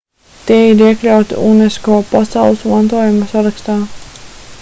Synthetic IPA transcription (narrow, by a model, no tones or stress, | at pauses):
t̪iɛiɾiɛklʲawt̪ḭuneskoɔpasawlˠɨsmant̪uɔjumasaɾakst̪aː